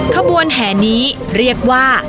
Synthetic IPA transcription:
kʰa˧mbu˧ənɦɛː˩˦niː˦˥ | ɾi˥˩ək̚waː˥˩

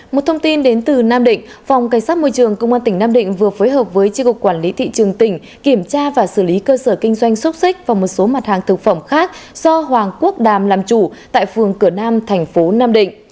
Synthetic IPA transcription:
mo˨˩t̚t̪ʰə˧wŋ͡mt̪i˧nɗe˨˦nt̪ɨ˨˩naː˧mɗḭ̈˧˨ŋ̟ | fa˨˩wŋ͡mka˧˩ŋ̟saː˦˥t̚mo˧jt͡ɕɨ˨˩əŋkə˧wŋ͡maː˧nt̪i˧˩ŋ̟naː˧mɗḭ̈˧˨ŋ̟vɨ˨˩əfo˨˦jɦəː˨˩p̚vəː˨˦jt͡ɕi˧kʊ˨˩k̚kwaː˧˩nli˨˦t̪ʰḭ˧˨t͡ɕɨ˨˩əŋt̪ï˧˩ŋ̟ | ki˧˩əmt͡ɕaː˧vaː˨˩sɨ˧˩li˨˦kəː˧səː˧˩kï˧ŋ̟zwa˧jŋ̟swʊ˦˥t̚si˦˥k̟̚vaː˨˩wmo˨˩t̚so˨˦ma˨˩t̚haː˨˩ŋt̪ʰɨ˨˩k̚fə˧˩mxaː˦˥k̚z̥ɔ˧ɦwaː˨˩ŋku˦˥ək̚ɗaː˨˩mlaː˨˩mt͡ɕu˧˩t̪a̰ː˧˨jfɨ˨˩əŋkɨ˧˩ənaː˧mt̪ʰɛ˨˩jŋ̟fo˨˦naː˧mɗḭ̈˧˨ŋ̟

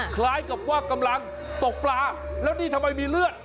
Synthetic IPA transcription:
kʰlaː˦˥jka˨˩p̚waː˥˩kːa˧mla˧ŋ | t̪o˨˩k̚plaː˧lɛː˦˥wniː˧t̪ʰa˧mːa˧jmiː˧lɯ˥˩ət̪̚

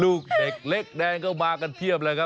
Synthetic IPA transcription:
lu˧˩k̚e˨˩k̚le˦˥k̚ɗɛ˧˩ŋkə˧˩wɓaː˨˧˩ka˨˩nt̪ʰi˧˩ə˨p̚laː˨˩ɣa˧

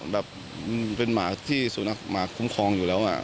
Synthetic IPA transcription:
bɛː˨˩p̚ | m˧pe˧nmaː˩˦t̪ʰiː˥˩su˨˩˦na˧˥˩k̚maː˩˦kʰu˦˥mkʰɔː˧ŋjuː˨˩ɛː˦˥wʔa̰˨˩

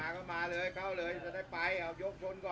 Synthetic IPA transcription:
aː˨˦kɔː˥˩maː˧lɤː˧jkʰa˥˩wlɤː˧jt͡ɕa˧˩daː˥˩jpa˧ja˨˧˩wjo˦˥k̚t͡ɕʰo˧˩˨nkɔː˨˩

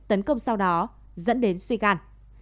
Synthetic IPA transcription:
t̪ə˨˦nkə˧wŋ͡msa˧wɗɔ˨˦ | zə̰˧˥nɗe˨˦nswi˧ɣaː˧n

